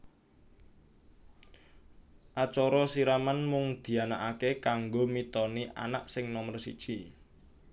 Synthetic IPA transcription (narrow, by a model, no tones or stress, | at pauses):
ʔat͡ʃɔɾɔsiɾamanmʊŋd̪̥i̤anaʔakekaŋɡomit̪ɔniʔa̰na̰ʔsɪŋnɔmərsḭd̥ʒ̥i